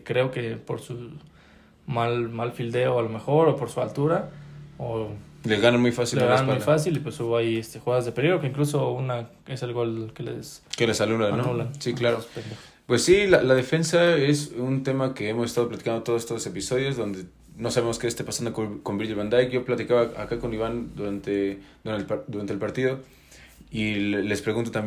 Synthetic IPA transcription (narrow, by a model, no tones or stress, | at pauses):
kɾe̞o̞ke̞po̞ɾsu | malmalfild̪e̞oalo̞me̞xo̞ɾo̞po̞ɾsualt̪uɾaolezɣananmujfasileɣananujfas̬ilipwesuβoajest̪exuɣaðazðepeliɣɾokeiŋkluso̞una | ese̞lɣo̞lkelḛs | kelesanulaanonulansiklaɾospend̪ex | pwe̞sːilalaðe̞fe̞nsae̞sunt̪e̞makeemos̬est̪aðplat̪ikand̪ot̪oosest̪ose̞piso̞ð̞jo̞zðo̞nd̪e | no̞saβe̞mo̞skest̪e̞pasand̪okoko̞mbilʝeβand̪ajkʝo̞plat̪ikaβaa̰kako̞niβand̪uɾant̪ed̪uɾd̪uɾant̪elpaɾt̪iðo̞ | ilespɾeɣunt̪ot̪am